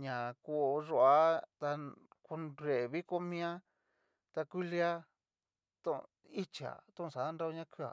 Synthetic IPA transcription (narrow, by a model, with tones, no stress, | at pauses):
ɲã˨ku˧ʐo˧a˦t̪a˧ku˧nɾe˨βi˦ko˦mĩ˦ã˦ | t̪a˧kʷi˦li˧˦a˦ | t̪õ˦˧ | i˦t͡ʃi˧a̰˨t̪ũ˦˧sa˨˦nda˦o˧ɲã˦ku˦a̰˨